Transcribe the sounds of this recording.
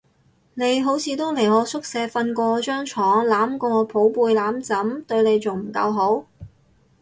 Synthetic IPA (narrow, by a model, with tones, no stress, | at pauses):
ne˨˧jɦo˨˥wt͡sʰiː˨˧t̪o˥wlɪ˨˩ɔː˨˧sʊ˥k̚sɛː˨˧˥fɐ˧nkʷɔː˧t͡ʃœː˥ŋt͡ʃʰɔː˨˥ŋlaː˨˥mkɔː˧ŋɔː˨˧pʰo˨˥wpuː˧jlaː˨˥mt͡sɐ˨˥mt̪ɵ˧ɥne˨˧jt͡sʊ˨ŋm̩˨˩kɐ̰˧wɦo˨˥w